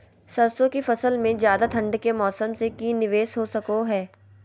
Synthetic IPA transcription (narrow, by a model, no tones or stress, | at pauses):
sɐɾsõkifɐsəlmẽzjaːd̪at̪ʰɐ̃ɳɖkemɔːsəmsekinɪʋeːsɦosɐkoɦɛː